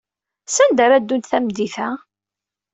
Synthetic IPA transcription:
sænd̪aɾæd̪ːunθæmd̪iθæ

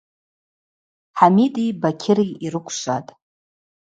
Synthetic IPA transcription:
ħamitʼibakʲʰɪɾiiɾɨkʷʰʃʷatʼ

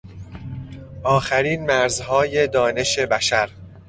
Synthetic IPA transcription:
ʔɒːxæɾiːnmæɾzhɒːje̞d̪ɒːne̞ʃe̞bæʃæɾ

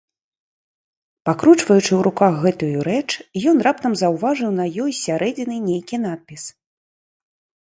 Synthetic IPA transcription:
pakɾut͡ʂvɐjut͡ʂɨwɾukaxɣɛt̪ujuɾɛt͡ʂjɔn̪rap̚t̪ɐmzɐwvaʐɨwn̪ɐjɔjsʲaɾʔɛd͡zʲinɨnʲejkʲin̪at̪̚pʲis

